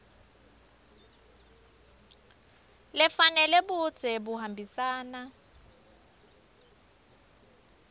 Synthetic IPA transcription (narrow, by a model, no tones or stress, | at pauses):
lɛfanɛlɛɓud̥d͡z̥ʱɛbuɦambʱisaːna